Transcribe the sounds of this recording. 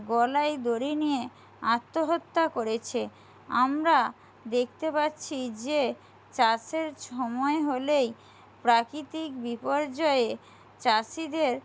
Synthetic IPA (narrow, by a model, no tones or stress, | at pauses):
ɡɔlajd̪oɾinije | at̪ːoɦot̪ːakoɾet͡ɕʰe | amɾa | d̪ek̚ʰt̪epatːɕʰid͡ʑe | t͡ɕaseɾʃʰɔmɔeɦolej | pɾakɾit̪ikbipoɾd͡ʑɔee | t͡ɕasid̪eɾ